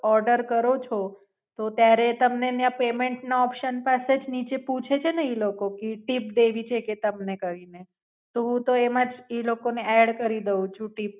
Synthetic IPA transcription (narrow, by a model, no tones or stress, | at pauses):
ɔɾɖəɾkəɾot͡ʃʰo | t̪ot̪jaɾet̪əmnenjãpemeɳʈnaɔpʃənpased͡ʒnit͡ʃeput͡ʃʰet͡ʃʰeneilokokeʈip̚d̪eʋit͡ʃʰeket̪əmnekəʋine | t̪oɦũt̪oemãd͡ʒilokoneɛɽkəɾid̪əũt͡ʃʰũʈip̚